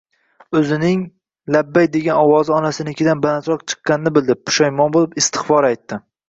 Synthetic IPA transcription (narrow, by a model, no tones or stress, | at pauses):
ɵzɪnɪŋ | labːajd̪e̞ɡʲanɒwɒzɪɒnasɪnɪkʲʰɪd̪anbalant̪ɾɒqt͡ʃʰɨ̥qːɑnɪnɪbɪld̪ɪp̚pʰʊ̥ʃajmɒnbolˠɪpɪst̪ʰɪ̥χfɒɾajt̪ːɪ